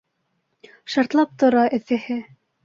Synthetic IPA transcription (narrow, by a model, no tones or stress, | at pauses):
ʃɑɾt̪lˠɑp̚t̪ŏɾɑʔɘ̆θɘ̆hɘ